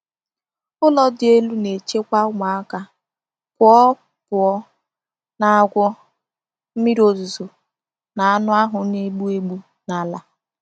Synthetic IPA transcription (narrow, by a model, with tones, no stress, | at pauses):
ʊ˦lɔ˦dɪ˨e˦lu˦ne˨t͡ʃe˦kʷa˦ŋʷa˨a˦ka˦ | kʷʊ˨˦ɔ˦ | pʊ˨ɔ˦ | na˨a˨ɡʷɔ˦ | m̩˦mi˦ɾo˨zu˨zo˨ | na˨a˦nʊ˦a˦ɦʊ˨ne˦ɡ͡bu˦e˦ɡ͡bu˦ | na˨la˨